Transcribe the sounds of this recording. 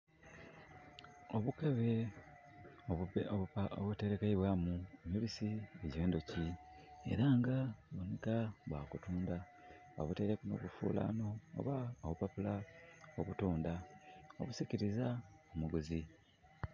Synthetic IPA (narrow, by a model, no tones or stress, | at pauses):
oβukaβe | oβuteɾekaiβwamuemiβisieɟiβeːndo̞ci | e̞̰ɾaŋɡaβonekaβwa̰ːkutuːnda | o̰βuteɾekno̰βufṵːla̰no̞̰ːβaoβupapulaoβutuːndao̰βusiciɾizaomuɡuzi